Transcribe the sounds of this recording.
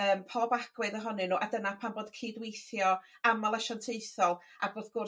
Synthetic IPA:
əːmpʰɔbaɡ̥wɨðəɦɔnɨnuːʔadənapʰanboːd̥kʰiːdwejθjɔ | amalˠaʃɔntʰejθɔlˠ | a̰boːðɡ̥ʊ

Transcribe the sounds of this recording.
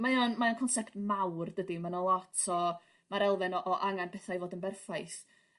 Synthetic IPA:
majɔnmaankʰɔnsɛptmawrdədimanɔlˠɔtʰɔ | maɾɛlˠvɪnɔʔɔʔaŋanpʰɛθajvoːdənbɛrfajθ

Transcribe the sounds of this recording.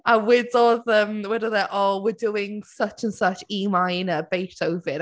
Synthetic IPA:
ə̃wɪdɔðəmwɪdəðəʔɔlˠwɪduːɪ̃ŋsʌt͡ʃə̃nsʌt͡ʃiːmãɪɪ̃nəb̥eɪsoʊvɪn

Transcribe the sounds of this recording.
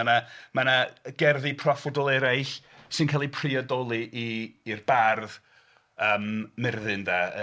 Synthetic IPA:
anamanaɡ̥ɛrðipʰrɔfɔdɔlˠɛɾajɬ | sɨnkʰalˠipʰriɔdɔlˠiʔiːrbarð | əmːɪrðɨnda

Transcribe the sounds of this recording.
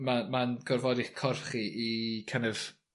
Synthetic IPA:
mamanɡɔrvɔdɪχkʰɔrχiikʰənɛv̥

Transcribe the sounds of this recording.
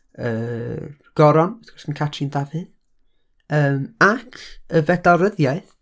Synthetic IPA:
ə̰ː | ɡ̥ɔɾɔnθɡ̥ɔsənkʰatʰindavɨð | əːmakʰəvɛdaɾəðjaɨθ

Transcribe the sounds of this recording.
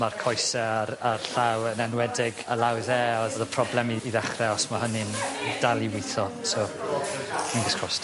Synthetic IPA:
markʰɔjsɛaɾarɬawənɛnwɛdɪɡəlˠawðɛɔðɔðəpʰrɔblˠɛmiːðɛχrɛɔsmaɦənɨnd̥alˠiwɪθɔso | kʰinɡɪskʰrɔst

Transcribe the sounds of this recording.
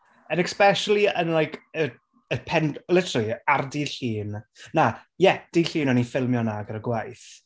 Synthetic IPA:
ənɛkspɛʃəlˠiənlˠajkʰə | əpʰɛnlɪtʰəɾəlˠiardiːɬiːnnajɛd̥iːɬiːnɔnifɪlˠmjɔnaɡəɾəɡwajθ

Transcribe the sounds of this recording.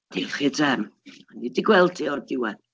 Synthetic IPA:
d̥iχɪdʰɛmanidɪɡwɛlˠdiɔrdɪwɛð

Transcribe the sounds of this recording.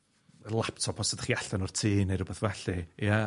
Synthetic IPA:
lˠaptʰɔpʰɔsədχiaɬtanɔr̥tʰiːnejɾʊbɛθvɛɬɨja

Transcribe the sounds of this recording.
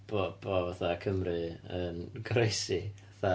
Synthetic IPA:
b̥ob̥ɔvaθakʰəmrɨənɡɾejsiaθa

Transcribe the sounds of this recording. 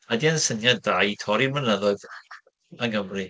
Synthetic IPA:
adiansənjadajtʰɔɾirmənəðɔð | əŋhəmri

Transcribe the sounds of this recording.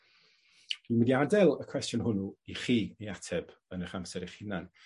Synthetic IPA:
d̥imədiadɛlˠəkʰw̥ɛstjʊnhʊnuiχiːnejatʰɛb̥ | ənəχamsɛɾiχinan

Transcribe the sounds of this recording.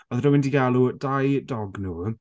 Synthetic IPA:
ɔðɾəwɪndiɡalˠuəd̥ajdɔɡnu

